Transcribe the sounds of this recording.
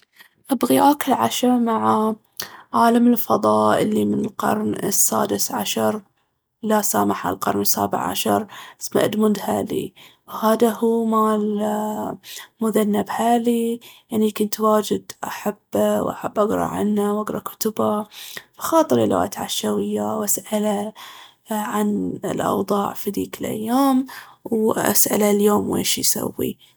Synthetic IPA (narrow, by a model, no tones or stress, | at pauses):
ʔabɣiʔaːkɪlʕaʃamaʕa | ʕaːlamɪlfɑðˤɑːʔɪlːimɪnɪlqɑ̰ɾˤnɪ̰sːa̰ːd̪ɪsʕa̰ʃɑɾˤ | lasaːmaħa̰lqɑ̰ɾˤnɪsːa̰ːbɪ̰ʕʕa̰ʃɑɾˤsma̰ʔɪd̪mʊnd̪haːlḭwhaːd̪ahuːmaːl | mʊðanːabhaːliʔaʕnikʊnt̪waːd͡ʒɪd̪ʔaħabːwʔa̰ħabːʔaɡɾˤɑ̰ʕa̰nːawʔaɡɾˤɑkʊ̥t̪ʊbafḁxɑːt̪ˤɨɾɪlwa̰ːt̪ʕaʃawɪjːawʔasʔala | ʕanɪ̰lʔɑ̰wðˤɑːʕfid̪iːkɪlʔa̰jːaːmwʔa̰sʔa̰laljoːmwḛːʃjsa̰wːḭ